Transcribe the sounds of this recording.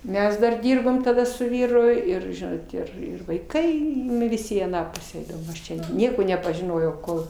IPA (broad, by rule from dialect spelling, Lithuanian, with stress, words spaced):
ˈmʲɛs dɐr ˈdʲɪrboːm tɐˈdɐ sʊ ˈʋʲiːrʊ ˈɪr ˈʒʲɪnoːt ɪr ˈɪr ʋɐɪˈkɐɪ ˈnʊ ʋʲɪˈsʲɪ iː ɐˈnɑː ˈpʊsʲæː ˈɛɪdɐʋoːm ˈɐʃ ˈt͡ʃʲɛ ˈnʲiɛkoː nʲɛpɐʒʲɪˈnoːjɛʊ ˈkoːlˠ